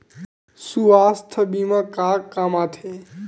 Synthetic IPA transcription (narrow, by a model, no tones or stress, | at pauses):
suast̪ʰəbimakakamat̪ʰe